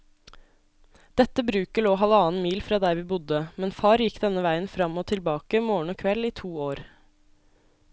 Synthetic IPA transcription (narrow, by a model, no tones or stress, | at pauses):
d̪̥ɛt̪ːəbɾʉːkəɭoːɦɑləɑːn̩miːlfɾɑːd̪æɪɾʋiːbʊd̪əmɛnfɑːɾjɪkd̪ɛnəʋæɪənfɾɑmoːt̪ʰɪlbɑːkəmoːɳ̩ɔːkʰʋɛliːt̪ʰuːoːɾ